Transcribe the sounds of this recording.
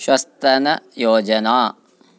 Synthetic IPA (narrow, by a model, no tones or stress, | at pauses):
ʃwɐst̪ɐnɐjoːd͡ʒɐnaː